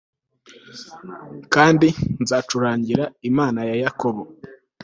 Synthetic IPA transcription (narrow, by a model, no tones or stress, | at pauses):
kaːndinzat͡ʃuɾaːɲɟiɾaimaːnajajako̞βo